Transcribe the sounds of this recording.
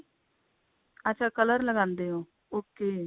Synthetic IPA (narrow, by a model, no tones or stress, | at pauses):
ətːʃʰaːkələɾləɡãːnd̪eːɦõː | oːkːeː